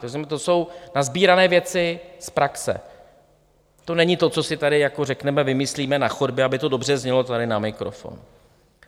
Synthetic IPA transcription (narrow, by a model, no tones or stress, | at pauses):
ozɲɛmɛt̪o̞so̞wnazbiːɾanɛːvjɛt͡sɪspɾaksɛ̰ | t̪o̞nɛɲɪt̪o̞t͡so̞sɪt̪adɪjakorɛknɛmɛvɪmɪsliːmɛnaxodbjɛabɪt̪o̞do̞br̝ɛzɲɛlo̞t̪adɪnamɪkɾo̰fo̰n